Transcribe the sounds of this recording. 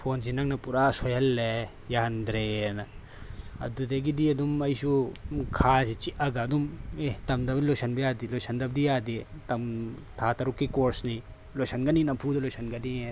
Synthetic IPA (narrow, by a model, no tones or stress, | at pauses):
pʰonzinɐŋnɐpuɾasojɐlːe | jand̪ɾenɐ | ɐ̰d̪ud̪eɡid̪iɐd̪umɐjsukʰasit͡ʃiʔʔaɡaɐd̪umet̪ɐmd̪ɐbnilojsɐnbijad̪ilojsɐnd̪ɐb̚d̪ijad̪it̪ɐm | t̪ʰat̪ɐɾukːikoɾsni | lojsɐnɡɐninɐpʰud̪ɐlojsɐnɡɐnie